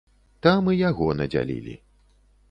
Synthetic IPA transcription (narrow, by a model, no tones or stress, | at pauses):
t̪amɨjaɣɔnɐd͡zʲa̰lʲḭlʲḭ